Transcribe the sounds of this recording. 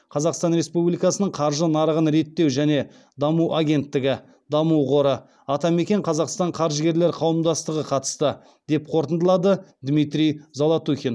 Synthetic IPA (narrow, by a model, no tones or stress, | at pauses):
qʰɑzɑqst̪ɑnɾe̞spublijkɑsənəɴqʰɑɾʒənɑɾəʁənɾe̞t̪ːe̞wʒæne̞ | d̪ɑmuʔaɡʲe̞nt̪ːɪɡʲɪ | d̪ɑmuwʁo̞ɾə | ɑt̪ɑme̞kʲeɴqʰɑzɑqst̪ɑɴqʰɑɾʒəɡʲe̞ɾle̞ɾqʰɑwəmd̪ɑst̪əʁəqʰɑt̪ə̥st̪ə | d̪e̞p̚qʰo̞ɾt̪ənd̪əlˠɑd̪əd̪mijt̪ɾʲijzolˠɑt̪uxʲen